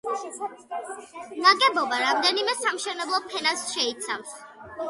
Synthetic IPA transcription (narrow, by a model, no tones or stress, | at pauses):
naɡʼɛbɔbaɾamd̪ɛnimɛsamʃɛnɛblˠɔpʰɛnasʃɛit̪sʰafs